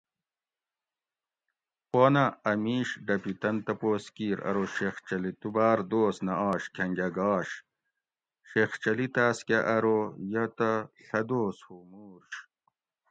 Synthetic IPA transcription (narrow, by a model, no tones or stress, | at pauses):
poːnɐɐmiːʂɖɐpit̪ɐnt̪ɐpoːskiːɾɐ̰ɾoɕext͡ɕɐlit̪ubaːɾd̪oːsnɐaːɕkʰɐŋɡɐɡaːɕ | ɕext͡ɕɐlit̪aːskʲeʔɐɾojɐt̪ɐɬɐd̪oːshomuːɾɕ